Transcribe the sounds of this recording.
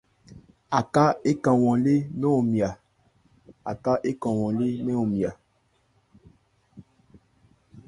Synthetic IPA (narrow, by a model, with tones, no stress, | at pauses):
a˨ka˦e˦kã˨wɔ̃˨le˦nɛ˦o˨mi˨a˨ | a˨ka˦ʔe˦kã˨wɔ̃˨le˦nɛ˦o˨mi˨a˨